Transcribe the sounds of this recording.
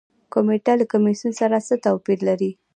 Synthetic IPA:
komeʈalakamisunsaɾasət̪apiɾlaɾi

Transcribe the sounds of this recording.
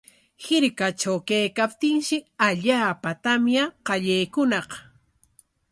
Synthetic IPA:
hɪɾkat͡ʃawkajkap̚t̪ɪŋʃɪaʎaːpat̪amjaqɑʎajkʊnɑq

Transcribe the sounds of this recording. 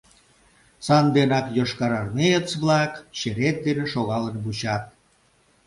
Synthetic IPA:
sɑnd̪enɑkjoʃkɑɾɑrmejət͡sβlɑkɕeɾet̪̚d̪eneʃoɣɑlənβut͡ɕɑt̪̚

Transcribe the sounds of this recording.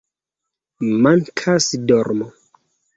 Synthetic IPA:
maŋkʰasdɔɾmɔ

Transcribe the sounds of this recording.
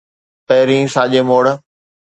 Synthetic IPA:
pɛːɾĩːsaːʄeːmoːɽ

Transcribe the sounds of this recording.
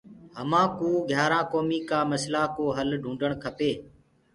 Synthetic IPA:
ɦəmãːkuːɡʱjaːɾãːkoːmiːkaːməslaːkoːɦəlɖʱũːɳɖəɳkʰəpeː

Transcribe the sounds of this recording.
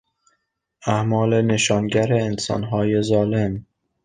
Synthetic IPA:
æmɒːle̞ne̞ʃɒːnɟæɾeːnsɒ̰ːnɦɒːje̞zɒːle̞m

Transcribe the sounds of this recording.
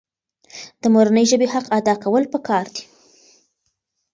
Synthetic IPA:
d̪̥əmoɾanəjʒəbehaqad̪ɑkawəlpəkʰɑɾd̪i̥

